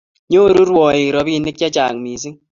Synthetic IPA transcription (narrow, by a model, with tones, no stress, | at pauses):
ɲo˦˨ɾu˦ɾwɔ˨i˨ɾɔ˨˦bi˦nɪ˦k̚ja˦t͡ʃaː˨ŋmiː˨s̬i˦ŋ